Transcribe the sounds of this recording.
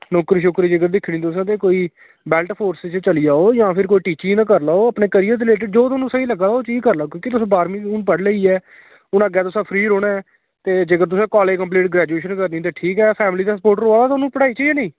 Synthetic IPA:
nɔːkɾʃʊkɾiːd͡ʒeːɡəɾd̪ɪkʰːɳĩːt̪ʊs̬ãːt̪eːkoːiː | bɛːlʈpʰoːɾsɪt͡ʃt͡ʃəliaːoːjãːpʰɪɾkoːiːʈiːt͡ʃinãːkəɾlaːoːəpneːkəɾijãːd̪ɪleːʈ̬ɪɖ̚d͡ʒoːt̪ːnũːsəiːləɡaːaːoːt͡ʃiːkəɾlaːkjõːkɪt̪ʊsãːbaːɾmĩːʊnpəɽləiːɛː | ʊnəɡɛːt̪ʊsãːpʰɾiːɾoːɽ̃ɛː | t̪eːd͡ʒeːkəɾt̪ʊsãːkɔːleːkəmpliːʈ̚ɡɾɛːd͡ʒueːʃənkəɾd̪ĩːt̪̬eːʈʰiːkɛːpʰɛːmliːd̪aːsəpoːʈɾoːaːd̪aːt̪ːʊnũːpəɽaːiːt͡ʃaiaːnẽː

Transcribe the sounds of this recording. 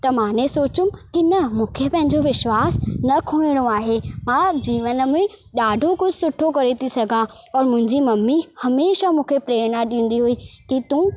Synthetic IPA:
t̪ɐmãːnesoːt͡ɕʊmkɪnɐmũːkʰepɐ̃ɦɪ̃ɲd͡ʑoʋɪʃwaːsnɐkʰũːɪɽ̃oaːɦemãːd͡ʑiːʋənə̆mẽ | ɗaːɖʱokʊd͡ʑʱɪsʊʈʰːokɐɾet̪ʰisɐɡʱãɔːɾmʊ̃ɦɪ̃ɲd͡ʑimɐmːihɐmeːʃamũːkʰepɾeːɾnaɗĩːn̆d̪iɦuiːkit̪ũː

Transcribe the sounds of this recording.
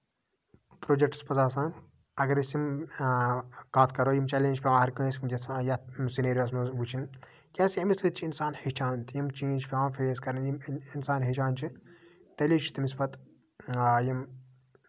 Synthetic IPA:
pɾoːd͡ʒek̚ʈspɐzaːsãːn | ɐɡɐɾisjim | kaːt̪ʰkɐɾoːjimt͡ʃɐlĩːnt͡ʃʰʲpʲeʋãːɦɐɾkɐːsmd͡ʒɐsjɐt̪sineːɾijoːsmɐbut͡ʃʰin | kʲaːsijɐmisɨt̪t͡ʃʰiinsaːnhit͡ʃʰaːnt̪jimt͡ʃiːnt͡ʃʰpʰʲeãːfeskɐɾɐnjiminsaːnɦit͡ʃaːnʲt͡ʃʰit̪ɐlʲiːt͡ʃʰi̥t̪imispɐt̪ | jim

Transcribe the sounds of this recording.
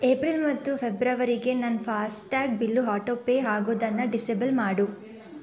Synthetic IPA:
eːpɾilmɐt̪ːupʰebɾɐʋɐɾiɡe̞nɐnpʰaːsʈaːɡ̚bilːuɦaːʈopːeːɦaːɡoːd̪ɐnːɐɖisebɐlmaːɽu

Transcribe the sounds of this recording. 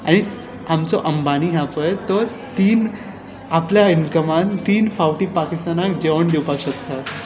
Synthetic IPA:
aɽ̃i | amt͡sɔʔəmbaniɦãpəjt̪əɾ | t̪iːn | apljaiŋkəmant̪iːnfawʈiːpakist̪anakd͡ʑeʋəɳd̪ewpakɕəkt̪at̪

